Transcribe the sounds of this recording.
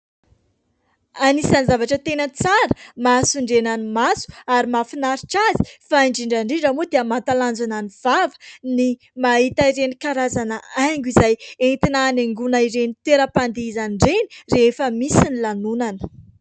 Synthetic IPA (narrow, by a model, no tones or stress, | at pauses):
anisanzavaʈ͡ʂət̪enət͡saɾə̥masuɳɖ͡ʐenanimasu̥aɾimafinaɾiʈ͡ʂazi̥faiɳɖ͡ʐiɳɖ͡ʐaɳɖ͡ʐiɖ͡ʐamod̪eəmat̪aland͡zananiv̥avə̥ni | maɦit̪aiɾenikaɾazanaaŋɡuizajent̪inaːneŋɡunaiɾenit̪eɾəpand̪eizaniɳɖ͡ʐeni̥refəmisinilanunanə̥